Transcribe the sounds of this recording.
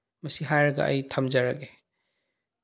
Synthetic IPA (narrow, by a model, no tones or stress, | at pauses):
mɐsiɦajɾɐɡa̰ʔɐjtʰɐmzaɾaɡe